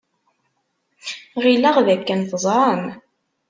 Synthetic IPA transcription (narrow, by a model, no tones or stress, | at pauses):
ʁilæʁðækːænθəzˤɑn